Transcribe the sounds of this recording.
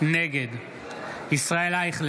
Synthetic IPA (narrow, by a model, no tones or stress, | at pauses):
neɡed̪ | isʁaelaiχl